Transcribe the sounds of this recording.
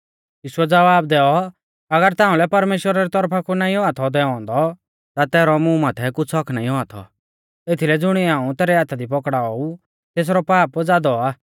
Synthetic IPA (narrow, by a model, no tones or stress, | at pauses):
jiːʃʊɛd͡zɐʋaːbd̪ɛːɔ | ɐɡəɾt̪ãːũlɛpɐɾmeːʃwəɾaɾit̪ɔɾpʰakunaːĩɔat̪ʰɔd̪ɛːɔ̃nd̪ɔ | t̪at̪ɛːɾɔmũmaːt̪ʰɛkʊt͡sʰɔkʰnaːĩɔat̪ʰɔ̰ | et̪ʰilɛd͡zʊɽ̃iãːũt̪ɛːɾɛɦaːt̪ʰad̪ip̬ɔkɽaːɔu | t̪eːs̬ɾɔpaːpd͡zaːd̪ɔaː